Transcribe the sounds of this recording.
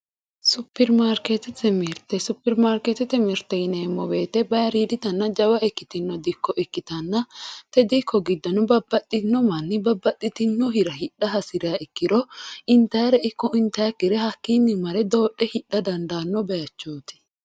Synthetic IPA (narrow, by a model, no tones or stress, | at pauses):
sʊpːɛɾmaːɾket̪ɛt̪ɛmɪɾt̪ɛsʊpːɛɾmaːɾkɛt̪ɛt̪ɛmɪɾt̪ːɛɪneːmːɔbe̞ːt̪ɛbɐjɐɾiːd̪ɪt̪ɐnːɐd͡ʒɐwɐʔɛkːɪt̪ɪnːɔd̪ɪkːɔʔɛkːɪt̪ɐnːɐt̪ɛd̪ɪkːɔɡɪd̪ːɐnʊbɐbːɐt̪ʼːɪnːɔmɐnːɪbɐbːɐt̪ʼːɪt̪ɪnːɔɦɪɾɐhɪᶑːɐɦɐsɪɾɪaɛkːɪɾɔɪnt̪ːɐjɐɾɛɪkːɔɪnt̪ɐjɐkːɪɾɛhɐkːinːɪmɐɾɛd̪o̞ːʔːɛhɪɗːɐd̪ɐnd̪aːnːɔbɛjɐt͡ʃːoːt̪ɪ̥